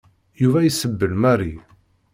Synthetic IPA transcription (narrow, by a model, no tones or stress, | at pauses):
juvæjsəbːəlmæri